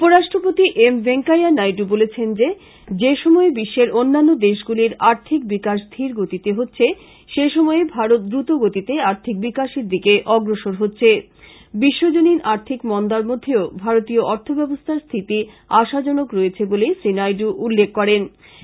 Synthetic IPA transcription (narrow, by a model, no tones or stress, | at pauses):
upoɾaʃʈɾopot̪iʔembeŋkajanajɖubolet͡ɕʰend͡ʑe | d͡ʑeʃɔmɔebiʃːeɾonːanːod̪eʃɡuliɾaɾt̪ʰik̚bikaʃd̪ʰʱiɾɡot̪it̪eɦotːɕʰe | ʃeʃɔmɔebʱaɾot̪̚d̪ɾut̪oɡot̪it̪eaɾt̪ʰik̚bikaʃeɾd̪ikeʔɔɡɾoʃoɾɦotːɕʰe | biʃːod͡ʑoniɾaɾt̪ʰikmɔnd̪aɾmod̪ʱːeobʱaɾot̪ioʔɔɾt̪ʰobɛbost̪ʰaɾst̪ʰit̪i | aʃad͡ʑɔnokɾɔet͡ɕʰebolesɾinajɖuʔulːekːɔɾen